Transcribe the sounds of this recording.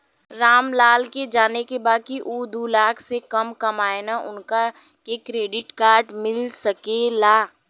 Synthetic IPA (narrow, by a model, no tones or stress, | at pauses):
ɾaːmlaːlked͡ʒaːnekebaːkiʔuːd̪uːlaːksekɐmkɐmaːenaʔʊnka | kekɾeːɖɪʈkaːɾɖmɪlsɐkelaː